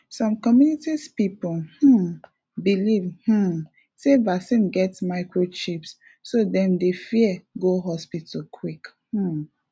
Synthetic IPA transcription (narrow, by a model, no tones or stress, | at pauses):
sɔ̃mkɔmjunitispipuh̩ | bilivh̩ | sevasĩnɡɛtmaɪkɹot͡ʃipsː | odɛ̃mdefiɛɡoɦɔspitkʰwikh̩